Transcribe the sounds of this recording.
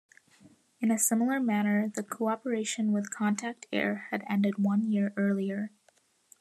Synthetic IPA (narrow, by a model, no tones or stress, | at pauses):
ɨ̃nɨsɪ̃ml̩ˠə˞mæñə˞ðɨkʰoɑpə˞eɪʃɨ̃nwɨð̥kʰɑ̃ntʰæk̚tʰɛ̰ɹɨɾɛ̃ndɨd̚wʌ̃njɪɹʔɜ˞lˠiə˞